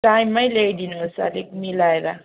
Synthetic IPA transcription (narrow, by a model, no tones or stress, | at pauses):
tajmːajlejdinosa̰lik̚milajɾa